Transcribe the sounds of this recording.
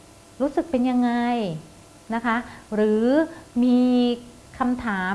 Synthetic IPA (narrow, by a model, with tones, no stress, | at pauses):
ɾuː˦˥sɯ˨˩k̚pe˧nja˧ŋːa˧j | na˦˥kʰa˦˥ɾɯː˩˦miː˧ | kʰa˧mt̪ʰaː˩˦